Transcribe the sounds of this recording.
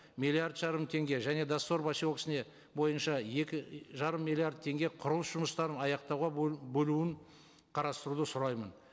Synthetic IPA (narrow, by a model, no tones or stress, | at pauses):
mʲilʲˠːiard̪ʒɑɾəmt̪ʰe̞ŋɡʲe̞ʒæne̞d̪asːo̞ɾbaʃioksɪne̞ | bo̞jənʃɑje̞kʲɪʒɑɾəmːilʲˠiard̪̚t̪ʰe̞ŋɡʲe̞qʰʊɾəlˠəsʒʊməst̪ɑɾənɑjɑqt̪ɑwʁɑbɵluɪŋ | qʰɑɾɑst̪əɾud̪əsʊɾɑjmən